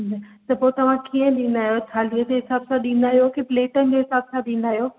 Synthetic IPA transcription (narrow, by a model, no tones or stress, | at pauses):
nɐt̪ɐpoːɪt̪ɐʋ̤ãkiːə̃ɗĩːnd̪aːɦjot͡ɕʰaːliəd͡ʑoɦɪsaːbsãɗĩːnaːɦjokepleːʈənɪ̆d͡ʑoːɦɪsaːbsãɗĩːn̆d̪aːɦjoː